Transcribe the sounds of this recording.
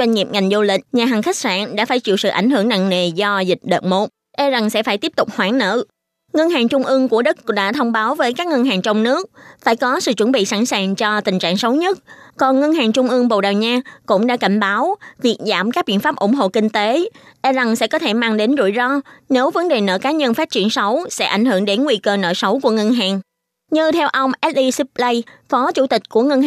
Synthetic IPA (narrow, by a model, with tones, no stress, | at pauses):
zwa˧jŋ̟ŋi˨˩p̚ŋa˨˩jŋ̟zu˧lï˧˨k̟̚ɲaː˨˩ɦa˨˩ŋxa˦˥k̚sa̰ː˧˨nɗa̰ː˧˥faː˧˩jt͡ɕḭ˧˨əwsɨ̰˧˨ʔa˧˩jŋ̟ɦɨ˧˩əŋna̰ː˧˨ŋŋe˨˩zɔ˧zï˨˩k̟̚ɗə̰ː˧˨t̚mo˨˩ʔ̚ | ʔɛ˧za˨˩ŋsɛ̰˧˥faː˧˩jt̪i˦˥əp̚t̪ʊ˨˩k͡p̚hwaː˧˩ŋnə̰ː˧˨ | ŋə˧nhaː˨˩ŋt͡ɕʊ˧ŋ͡mʔɨ˧əŋku˧˩əɗə˦˥k̚ɗa̰ː˧˥t̪ʰə˧wŋ͡mɓaː˨˦wvəː˨˦jkaː˦˥k̚ŋə˧nɦaː˨˩ŋt͡ɕə˧wŋ͡mnɨ˦˥ək̚faː˧˩jkɔ˨˦sɨ̰˧˨t͡ɕwə˧˩nɓḭ˧˨sa˧˩nsaː˨˩ŋt͡ɕɔ˧t̪ï˨˩ŋ̟t͡ɕa̰ː˧˨ŋsə˨˦wɲə˦˥t̚kɔ˨˩nŋə˧nhaː˨˩ŋt͡ɕʊ˧ŋ͡mʔɨ˧əŋɓo̰˧˨wɗaː˨˩wɲaː˧kʊ̰˧˥ŋ͡mɗa̰ː˧˥ka˧˩jŋ̟ɓaː˨˦wvi˨˩ək̚za̰ː˧˩mkaː˦˥k̚ɓḭ˧˨nfaː˦˥p̚ʔʊ̰˧˩ŋ͡mɦo̰˧˨kï˧ŋ̟t̪e˨˦ʔɛ˧za˧˩ŋsɛ̰˧˥kɔ˨˦t̪ʰe˧˩maː˧ŋɗe˨˦nzṵ˧˩jzɔ˧ne˨˦wvə˨˦nɗe˨˩nə̰ː˧˨˩kaː˨˦ɲə˧nfaː˦˥t̚t͡ɕi˧˩ənsə˨˦wsɛ̰˧˥ʔa˧˩jŋ̟hɨ˧˩əŋɗe˨˦nŋwi˧kəː˧nə̰ː˧˨˩sə˨˦wku˧˩əŋə˧nɦaː˨˩ŋ | ɲɨ˧t̪ʰɛ˧wʔə˧wŋ͡mʔɛ˦˥t̚ʔi˧si˦˥p̚lə˧jfɔ˨˦t͡ɕu˧˩t̪ï˨˩k̟̚ku˧˩əŋə˧n˨